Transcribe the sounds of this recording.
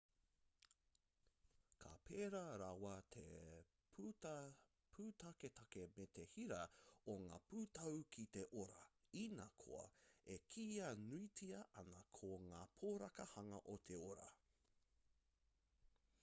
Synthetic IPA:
kʰɐ̰pʰeːɾɐɾɐwɐt̪ʰḛ | pʰ | pʰuːt̪ʰɐket̪ʰɐkemet̪ehiɾɐoŋaːpuːt̪ɐwkʰit̪eʔoɾɐ | inakʰo̰ɐ̰ekʰiːɐnuitʰiɐʔɐnɐkʰoŋaːpʰoːɾɐkɐhɐŋɐʔot̪ʰeoɾɐ̰

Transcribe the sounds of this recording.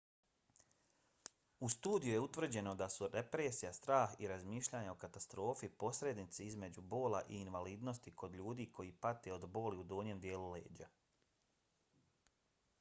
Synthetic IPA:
ust̪uːd̪ijuje̞ut̪ʋr̩d͡ʑe̞no̞d̪asuɾe̞pɾeːsijast̪ɾaːxiɾazmiːʃʎaːɲao̞kat̪ast̪ɾo̞ːfipo̞sɾe̞d̪nit̪seizme̞d͡ʑubo̞ːla̰ʔiːnʋaliːd̪no̞st̪ikʰo̞d̪ʎuːd̪iːkʰo̞jiːpat̪e̞o̞d̪bo̞ːliud̪oːɲe̞md̪je̞ːlulḛːd͡ʑa

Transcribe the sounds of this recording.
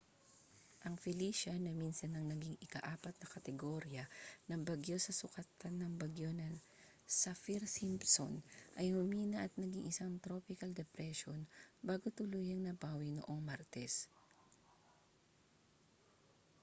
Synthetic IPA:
ʔɐŋfɪliʃɐnɐminsɐnːɐŋnɐɡiŋɪkɐʔaːpɐt̪̚nɐkɐt̪ɛɡoːɾjɐnɐŋbɐɡjo̞sɐsʊkɐt̪ɐnːɐŋbɐɡjo̞nɐ | sɐfiɾsimpso̰nʔɐjhʊmiːnɐʔɐt̪̚nɐɡiŋʔɪsaŋt̪ɾo̞ːpɪkɐld̪ɛpɾɛʃonbaːɡot̪ʊluːjɐŋnɐpaːwino̰ʔo̞ŋmaɾt̪ɛs

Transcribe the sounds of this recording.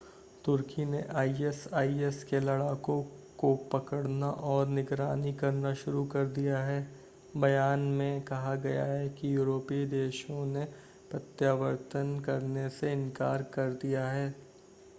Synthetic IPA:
t̪ʊɾkineʔaːiɛsaːiɛskelɐɽaːkõkopɐkəɽnaʔɔːɾnɪɡɾaːnikɐɾnaʃʊɾukɐɾd̪ijaɦɛː | bɐjaːnmẽkɐɦaɡɐja̰ɦɛkijuːɾoːpid̪eːʃõne | pɾɐt̪jaːʋəɾt̪ənkɐɾneseɪ̃nkaːɾkɐɾd̪ijaɦɛː

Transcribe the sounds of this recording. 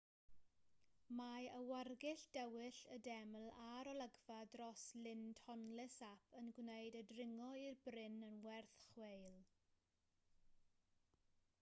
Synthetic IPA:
majəwarɡɪɬd̥ɛwɪɬədɛmlˠaɾɔlˠəɡvadrɔslɪnd̥hɔnlɪsapʰənɡwnejdədrɪŋɔirbrɪnənwɛrθχwejlˠ

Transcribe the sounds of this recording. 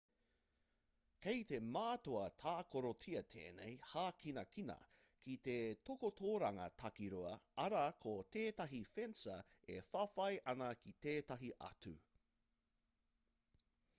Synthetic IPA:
kejte̞maːtoɐtʰaːkoɾotʰiɐtʰḛːnḛjhaːkʰinɐkinɐ̰ | kʰit̪etokotʰoːɾɐŋɐ̰tʰɐkiɾuɐɐɾɐkʰoteːtɐɦifensɐ | ḛfɐfɐjʔɐnɐkʰiteːtɐɦiʔɐ̰tʉ

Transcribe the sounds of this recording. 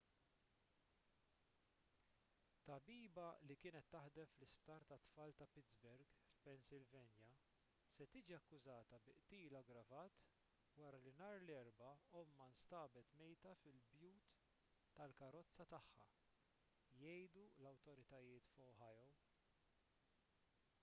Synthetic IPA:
t̪ːɐbiːbɐlikɪːnɛt̪ːɐħd̪ɛmflɪspt̪ɐːɾt̪ɐt̪ːfɐːlt̪ɐpɪtzbɛɾɡfpɛnsɪlvɛnjɐ | sɛt̪iːd͡ʒiɐkːʊzɐːt̪ɐbɪʔt̪iːlɐɡɾɐvɐːt̪ | wɐɾɐlɪnɐːɾlɛɾbɐɔmːɐnst̪ɐːbɛt̪mɛjt̪ɐfɪlbjuːt̪ː | ɐlkɐɾɔt͡sːɐt̪ɐħːɐ̰ | jɛjd̪ulɐwt̪ɔɾɪt̪ɐjɪːt̪fɔwħɐjɔw

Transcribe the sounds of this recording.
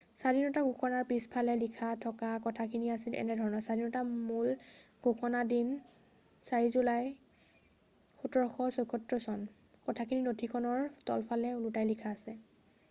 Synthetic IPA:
sadinɔtaɡʱuxɔnaɹpispʰalɛlikʰatʰɔkakɔtʰakʰiniasilɛ̰nɛdʱɔɹɔnɔsadinɔtamul | ɡ̥ʱoxɔnadin | saɹizulaj | xutɔɹxɔsojkʰɔtɹɔsɔn | kɔtʰakʰininotʰikʰɔnɔɹtɔ̰lpʰalɛulutajlikʰaːsɛ

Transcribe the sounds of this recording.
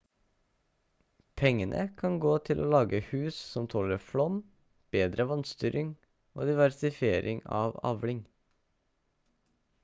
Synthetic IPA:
pʰɛŋənʔə̰kʰɑŋɡoːt̪ʰɪlʔo̰ːlɑːɡəhʉːssɔmt̪ʰɔləɾflɔm | b̥eːd̪ɾəʋɑnst̪yːɾʔɪŋ | o̰ːd̪ɪʋæɾsɪfɪeːɾʔɪŋɑ̰ːʋɑ̰ʋlɪŋ

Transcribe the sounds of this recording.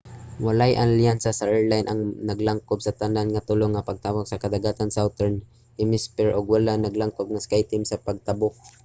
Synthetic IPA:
walajʔanljansasaʔɛɹlajnʔaŋnaɡlaŋkʊb̚sat̪ananŋat̪ʊloŋːapaɡ̚t̪abok̚sakad̪aɡaːt̪ansawt̪ɛɹn | ɪmɪspɛɹʔʊɡwalanaɡlaŋkob̚ŋaskajt̪ɪmsapaɡ̚t̪abʊk̚

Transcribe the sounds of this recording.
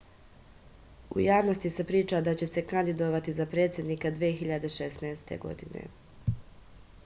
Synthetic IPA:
ṵjaːʋno̞st̪isepɾiːt͡ʃad̪at͡ɕe̞se̞kand̪id̪o̞ʋat̪izapɾe̞ːt̪sʲje̞d̪niːkad̪ʋijexiʎad̪e̞ʃesnɛːst̪ʰḛɡo̞̰d̪inḛ

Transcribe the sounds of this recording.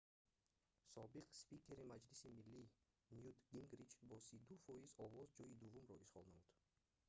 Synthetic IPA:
sɔbiqspikʰʲe̞ɾimad͡ʒlisimilːi | njud̪ɡiŋɡɾid͡ʒbɔsid̪ufɔizɔvɔzd͡ʒɔid̪uvːumɾɔiʃχɔlˠnamud̪̥

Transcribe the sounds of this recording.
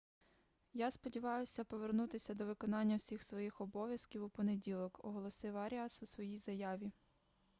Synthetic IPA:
jaspɔdʲiʋɑjʊsʲɐpɔʋernut̪ɪsʲɐd̪ɔʋɪkɔnɑnʲːɐwsʲixsʋɔjixɔbɔʋʲjɐskʲiwupɔnedʲilˠɔkɔ̰ɦɔlˠɔsɪwɐɾʲiɑsusʋɔjijzɐjɑʋʲi

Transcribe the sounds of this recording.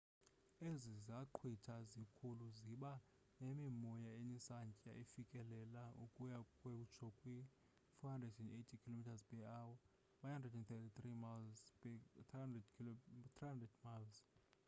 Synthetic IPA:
ezizaǃʰwitʰazikʰuluziɓa | nemimɔjaenisant͡ʃʼa̰ʔifikʼɛlɛlaṵkʼujakʼwɛut͡ʃʰɔkʼwi | fɔandeʃɔnetʰikʰilomitʰazpʼɛawɔ | ɓahandrɛdɛntɛtʰit̪rimals | ɛdt̪ʰriandɛdmals

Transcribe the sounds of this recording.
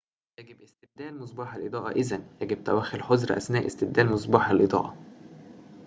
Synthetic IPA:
jæɡɪbʔest̪ed̚d̪æːlmosˤbɑːħælʔed̪ˤɑːʔɑ̰ʔezænjæɡɪb̚t̪æ̰wæːxelħozɾʔæ̰snæːʔest̪edd̪æːlmos̬ˤbɑːħælʔed̪ˤɑ̰ːʔɑ

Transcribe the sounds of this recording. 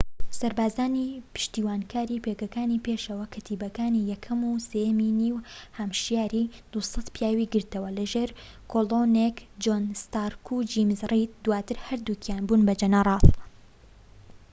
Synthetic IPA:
sɐɾbaːzaːnipɨ̥ʃt̪iːwaːnkʰaːɾiːpekɐkaːnipeːʃɐwɐkʰɨt̪ʰiːbɐkaːnijɛkʰɐmusejɐminiːwhɐmʃjaːɾid̪̥usɑt̪pjaːwiɡɨɾt̪ɐwɐlɐʒeːɾ | kʰoloːnekd͡ʒoːnst̪aːɾkʰud͡ʒimzrit̪̚d̪waːt̪ɨɾhɐɾd̪uːkʰjaːnbuːnbɐd͡ʒɐnɐrˤɑːt

